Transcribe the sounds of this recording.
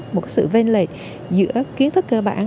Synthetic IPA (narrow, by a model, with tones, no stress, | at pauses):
mo˨˩t̚ka˨˦jsɨ̰˧˨ve˧nle˨˩t̚ | zɨ̰˧˥əki˨˦ənt̪ʰɨ˦˥k̚kəː˧ɓa̰ː˧˩n